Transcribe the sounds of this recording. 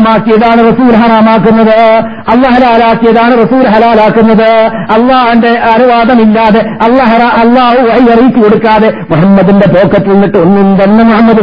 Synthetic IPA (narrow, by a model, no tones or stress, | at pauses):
maːkːijɐðaːɳɨrɐsuːlɦɐraːmaːkːunːɐðɨ | ɐlːaːɦɐlaːlaːkːijɐðaːɳɨrɐsuːlɦɐlaːlaːkːunːɐðɨ | ɐlːaːhinde̞ɐnuʋaːd̪ɐmilːaːðe̞ɐlːaːɦɐɾaːʔɐlːaːɦuʋɐhiɐrijikːiko̞ɽukːaːðe̞muħɐmːɐd̪inde̞boːkːɐt̪ːilnːiʈːɨonːind̪enːɐmuhɐmːɐd̪u